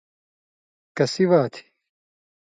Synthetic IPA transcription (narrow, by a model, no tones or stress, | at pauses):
kɐsiʋaːt̪ʰi̥